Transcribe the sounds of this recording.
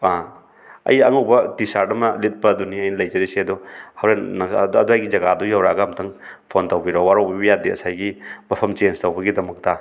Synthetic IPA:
a | ɐ̰jɐŋuwbɐtisaɾdɐmɐlit̚pɐːduniɐjnɐlɐjzɐɾisiɐdɔhɐwɾenɐdɐduajɡizɐɡadujawɾaɡɐmtʰɐŋpʰontɐwbiɾowaɾowbibɐjadiɐ̰sajɡimɐpʰɐmt͡ʃenstɐwbɐɡidɐmɐk̚tɐ

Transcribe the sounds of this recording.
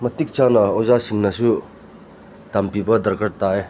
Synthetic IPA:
mɐt̪ik̚t͡ʃanɐozasiŋnɐsu | t̪ampibɐd̪ɐɾkʰəɾ̚t̪ae

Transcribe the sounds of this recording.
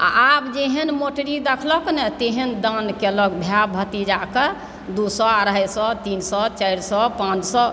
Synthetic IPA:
a̰abd͡ʒeɦənmoʈəɾid̪ekʰlɔknɛt̪eɦənd̪ankelɔkbʱjabʱət̪id͡ʒake | d̪usɔaɾəjsɔt̪insɔt͡ʃajɾsɔpãt͡ʃsɔ

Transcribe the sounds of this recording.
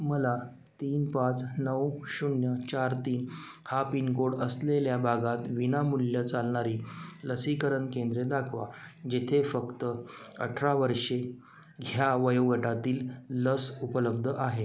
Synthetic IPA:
məla | t̪iːnpãt͡snəwɕunjət͡ɕaɾt̪iːn | hapinkoɽəsleljabʱaɡat̪ʋinamuljət͡salɳaɾiːləsikəɾəɳkẽnd̪ɾed̪akʰʋa̰d͡ʑet̪ʰefəkt̪əə̰ʈʰɾaʋəɾʂe | ɡʱjaʋəjəʋəʈat̪iːlːəsupələbd̪ʱəʔaɦe

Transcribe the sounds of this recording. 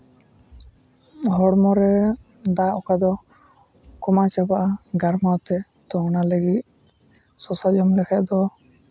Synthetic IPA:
ɦɔɽmɔɾɛ | d̪aʔɔkad̪ɔ | kɔmat͡ʃabaʔaɡaɾmat̪ɛ | t̪ɔɔnaləɡit̪̚ | sɔsad͡ʒɔmlɛkʰɛʔd̪ɔ

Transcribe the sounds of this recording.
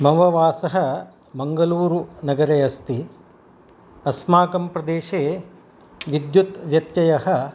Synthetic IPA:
mɐʋɐʋaːsɐɦɐ̆ | mɐŋɡɐluːɾunɐɡɐɾeːɐst̪i | ɐsmaːkɐmpɾɐd̪eːʃeː | ʋid̪jut̪ʋjɐt̪jɐjɐhɐ̆

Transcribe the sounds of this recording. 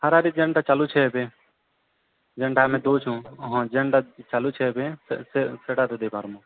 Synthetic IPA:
həɾaːɾiːd͡ʒəɳɖaːt͡ʃaːluːt͡ʃʰeːbẽː | d͡ʒəɳɖaːmẽːd̪oːt͡ʃʰũːɦãːd͡ʒəɳɖat͡ʃaːluːt͡ʃʰeːbẽseseʈaːt̪eːd̪eːpaːɾmõː

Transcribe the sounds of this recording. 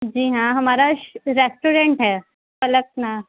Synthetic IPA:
d͡ʑiːɦãɦəmaɾaɾesʈuɾeɳʈɦɛ | fələk̚na

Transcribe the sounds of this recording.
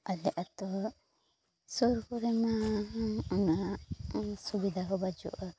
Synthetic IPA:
alɛʔat̪ɔ | sɔɾkɔɾɛma | ɔna | subid̪ʱakɔbad͡ʒṵʔɔ

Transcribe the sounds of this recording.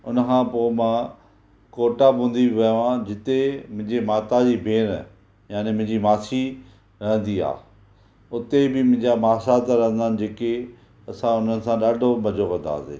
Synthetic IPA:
ʊnəkʰãpoːmãː | koːʈabʱũːn̆d̪ibɪʋɐjʋãd͡ʑɪt̪emʊ̃ɦɪ̃ɲd͡ʑemaːt̪ad͡ʑiːbʱeːn | jaːnemʊ̃ɦɪ̃ɲd͡ʑimaːsi | ɾɐɦə̃nd̪ia̰ː | ʊt̪ebɪmʊ̃ɦɪ̃ɲd͡ʑamaːsat̪ɾɐɦə̃nd̪aːnɪ̆d͡ʑeːke | ɐsãʊn̤ənɪ̆sãɗaːɖʱomɐd͡ʑʱokɐ̃nd̪a̰ːsḛː

